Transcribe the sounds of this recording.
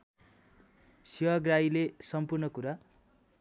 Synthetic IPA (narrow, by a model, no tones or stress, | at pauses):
siwaɡrailesʌmpurnʌkuɾa